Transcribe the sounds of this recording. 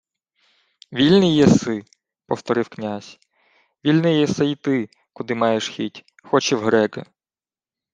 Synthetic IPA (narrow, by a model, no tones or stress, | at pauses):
ʋʲilʲnɪjɛsɪ | pɔwt̪ɔɾɪwknʲazʲ | ʋʲilʲnɪjɛsɛjit̪ɪ | kʊd̪ɪmɑjeʃxʲitʲ | xɔt͡ʃɛwɦɾɛɡɐ